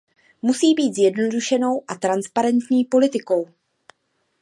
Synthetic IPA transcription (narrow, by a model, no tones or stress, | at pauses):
musiːbiːt̪zjɛdno̞duʃɛno̞wʔat̪ɾanspaɾɛnt̪ɲiːpo̞lɪt̪ɪko̞w